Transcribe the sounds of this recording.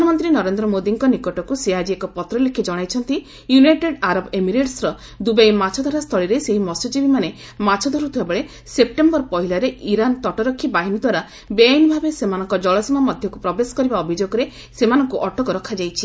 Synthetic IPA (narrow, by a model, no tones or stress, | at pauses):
nɔmɔnt̪ɾinɔɾend̪ɾɔmod̪iŋkɔnikɔʈɔkusead͡ʒiekɔpɔt̪ɾɔlekʰːid͡ʒɔɽ̃ajt͡ʃʰɔnt̪i | junajʈeɖaɾɔbemiɾeʈsɾɔ | d̪ubejmat͡ʃʰɔd̪ʱɔɾast̪ʰɔɭiɾeseɦimɔsɔt͡ʃibimane | mat͡ʃʰɔd̪ʱɔɾut̪ʰibabeɭe | sep̚ʈembɔɾpɔɦilaɾeʔiɾant̪ɔʈɔɾɔkʰːibaɦinɔd̪waɾa | beajnɔbʱabesemanɔŋkɔd͡ʒɔɭɔsɔmamɔd̪ʱjɔkupɾɔbesɔ̥kɔɾibaɔbʱid͡ʒoɡɔɾe | semanɔŋkuʔɔʈɔkɔɾɔkʰad͡ʒajt͡ʃʰi̥